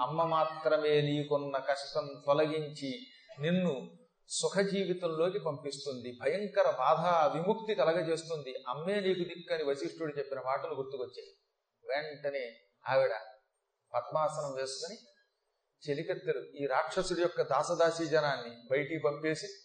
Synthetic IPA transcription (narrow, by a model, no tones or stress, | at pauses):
ɐmːɐmaːt̪ɾɐme̞ːniːkonːɐkɐʂʈɐnt̪ɔlɐɡiɲt͡ʃi | ninːu | sukʰɐd͡ʒiːʋit̪ɐmlo̞ːkipɐmpist̪und̪ibʱɐjɐŋkɐɾɐbaːd̪ʱaːʋimuk̚t̪ikɐlɐɡɐt͡ʃe̞ːst̪und̪iʔɐmːe̞ːniːkud̪ikːɐniʋɐsiʂʈuɽut͡ʃe̞pːinɐmaːʈɐluɡuɾt̪ukot͡ʃːeː | ʋeɳʈɐneː | aːʋiɽɐ | pɐt̪maːsɐnɐmʋeːskuni | t͡ʃelikɐt̪ːɐluiːɾaːkʂɐsuɽijɔkːɐd̪aːsɐd̪aːsiːd͡ʒɐnaːnːibɐjʈikipɐmpe̞ːsi